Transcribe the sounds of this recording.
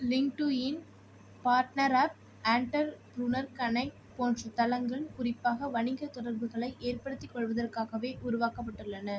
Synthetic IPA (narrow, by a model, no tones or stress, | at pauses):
lɪŋʈuːjɪn | paːɾʈnɐɾaːp̚ | aːɳʈɐɾbɾʊnɐɾkɐnɐɪ | poːndrɐt̪ɐlɐŋɡɐɭkʊrɪpːaːɣɐʋɐɳɪŋɡɐt̪ɔɽɐɾbɯɣɐɭɐɪʔeːrpɐɽɯt̪ːɪkːɔɭʋɐðɐrkaːɣɐʋeːʔʊɾʊʋaːkɐpːɐʈːɯɭːɐnɐ